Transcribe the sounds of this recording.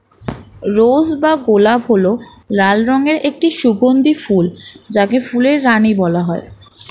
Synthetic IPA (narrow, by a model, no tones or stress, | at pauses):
ɾod͡ʑbaɡolabɦolo | ɾalɾɔŋeɾek̚ʈiʃuɡond̪ifuld͡ʑakefuleɾːanibɔlaɦɔe